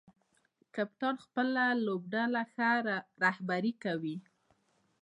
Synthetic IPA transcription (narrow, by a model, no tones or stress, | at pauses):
kap̚t̪ɑɽxpəlalob̚ɖalaxaɾahbaɾikawi